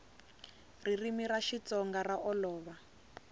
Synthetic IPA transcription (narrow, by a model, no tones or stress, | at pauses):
ririmiɾaʃit͡sɔŋɡaraʔɔlɔːβa